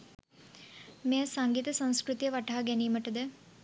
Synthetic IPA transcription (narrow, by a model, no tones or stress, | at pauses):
mesɐŋɡiːt̪ɐsɐ̃w̃skɾut̪jɐʋɐʈaːɐɡenimɐʈːɐd̪ɨ